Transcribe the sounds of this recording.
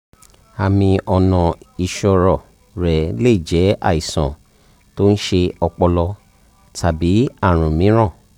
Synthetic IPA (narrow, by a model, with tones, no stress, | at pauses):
a˧mĩ˧ʔɔ˧nɔ̃˨i˧ʃɔ˧ɾɔ˨ | ɾɛ˨le˦i˦˨d͡ʒɛ˨˦a˦˨i˨sã˨ | to˦n̩˦ʃe˧ɔ˧k͡pɔ˧lɔ˧ | tʰa˨bi˨˦a˦˨ɾ̃ũ˨mĩ˨˦ɾ̃ã˦˨